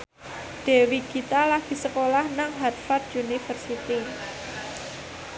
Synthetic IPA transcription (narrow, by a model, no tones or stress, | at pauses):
ɖ̪̥e̤wikit̪alahɡ̪̥isəkolahnaŋɦarfat̪̚junifərsit̪i